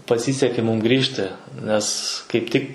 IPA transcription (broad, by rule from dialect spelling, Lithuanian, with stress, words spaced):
pɐˈsʲiːsʲɛkʲeː ˈmuːm ˈɡrʲiːʃʲtʲɪ nʲɛs kɐɪp ˈtʲɪk